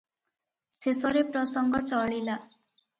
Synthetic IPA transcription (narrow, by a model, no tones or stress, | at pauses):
sesɔɾepɾɔsɔŋɡʱɔt͡sɔɭila